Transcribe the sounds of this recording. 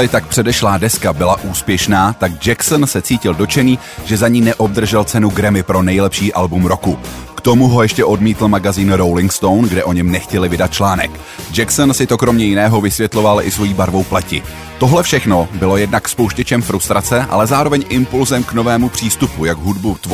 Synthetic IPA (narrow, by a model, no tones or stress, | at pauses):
lɪt̪akpr̥ɛdɛʃlaːdɛskabɪlaʔuːspjɛʃnaːt̪aɡd͡ʒɛksnsɛt͡siːcɪldo̞t͡ʃɛniː | ʒɛzaɲiːnɛʔo̞b̚d̪r̩ʒɛlt͡sɛnuɡɾɛmɪpɾo̞nɛjlɛpʃiːʔalbumɾo̞kukt̪o̞muɦo̞jɛʃcɛʔo̞dmiːt̪l̩maɡaziːnɾowlɪŋkst̪o̞wnɡdɛʔo̞ɲɛmnɛxcɛlɪvɪdat̪̚t͡ʃlaːnɛ̰k | d͡ʒɛksnsɪt̪o̞kɾo̞mɲɛjɪnɛːɦo̞vɪsvjɛt̪lo̞valʔɪ̰svo̞jiːbaɾvo̞wplɛcɪ | t̪o̞ɦlɛfʃɛxno̞bɪlo̞jɛdnakspowʃcɛt͡ʃɛmfɾust̪ɾat͡sɛʔa̰lɛzaːɾo̞vɛɲʔɪmpulzɛmkno̞vɛːmupr̝̥iːst̪upujaɡɦudbut̪